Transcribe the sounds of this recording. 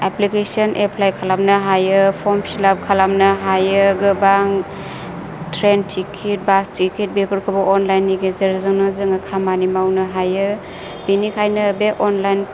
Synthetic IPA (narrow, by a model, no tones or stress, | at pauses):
eplikesɔnʔepʰlajkʰalamnaɦajɯpʰɔmsilab̚kʰalamnɐɦajɯɡɯbaŋ | tʰɾentʰikʰit̚bastʰiket̚bepɯɾkʰɯbɔʔɔnlajnːiɡezəɾzɯŋnɔzɯŋakʰamanimawnɯɦajɯ | b̥inikʰajnɯbeʔɔnlajn